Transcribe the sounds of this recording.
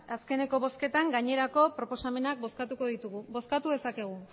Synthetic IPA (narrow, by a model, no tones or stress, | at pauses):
aske̞ne̞ko̞βo̞ske̞t̪aŋɡaɲe̞ɾako̞pɾo̞po̞same̞nak̚bo̞skat̪uko̞ðit̪uɣubo̞skat̪uð̞e̞sake̞ɣ̞u